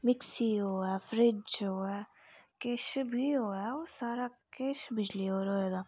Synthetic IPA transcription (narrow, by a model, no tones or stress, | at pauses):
mɪksioːɛfɾɪt͡ʃoːɛkeːʃbʱioːɛosaːɾakeːʃbʱɪd͡ʒlioːɾoɛd̪a